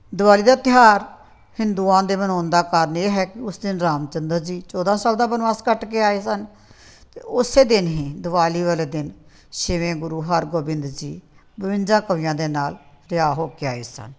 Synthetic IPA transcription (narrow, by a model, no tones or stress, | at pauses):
d̪ʊʋaːliːd̪aːt̪ɪɦaːɾ | hɪnd̪uːãːd̪eːmənɔːnd̪aːkəɾəneːɦɛːkɪʊsd̪ɪnɾaːmt͡ʃənd̪əɾd͡ʒiːt͡ʃɔːd̪ãːsaːld̪aːbənʋaːskəʈkeːaːeːsən | t̪eːʊseːd̪ɪnɦẽːd̪ʊʋaːliːʋəleːd̪ɪn | ʃɪʋẽːɡʊɾuːɦəɾɡoːbɪ̃nd̪d͡ʒiː | bəʋɪ̃nd͡ʒãːkəʋijãːd̪eːnaːl | ɾɪaːɦoːkeːaːḛːsə̰n